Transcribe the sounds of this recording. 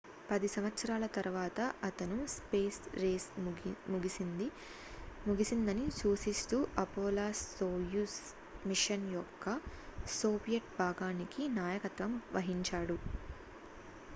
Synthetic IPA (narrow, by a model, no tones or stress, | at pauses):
pɐd̪isɐmʋɐt̪sɐɾaːlɐt̪ɐɾuʋaːt̪ɐʔɐt̪ɐnuspeːsɾeːsmuɡisind̪ | muɡisind̪ɐnit͡ʃuːʃist̪uːʔɐpoːlaːsoːjus | miʂɐnjɔkːɐsoːbijɐʈ̚bʱaːɡaːnikinaːjɐkɐt̪ʋɐmʋɐɦiɲt͡ʃaːɽu